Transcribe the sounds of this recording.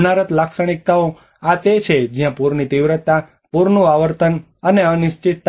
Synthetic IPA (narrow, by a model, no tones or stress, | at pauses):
naɾət̪laksəɽ̃ik̚t̪ao | at̪et͡ʃʰed͡ʒjãpuɾnit̪iʋɾət̪ːa | puɾnũaʋəɾt̪ən | əneənɪʃt͡ʃit̪ː